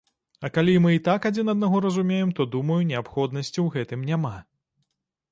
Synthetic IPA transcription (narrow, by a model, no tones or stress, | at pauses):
ɐkalʲimɨit̪akad͡zʲinɐd̪̚naɣɔɾɐzumʲejɛmt̪ɔd̪umɐjunʲɛapxɔd̪nɐsʲt͡sʲiwɣɛt̪ɨmnʲama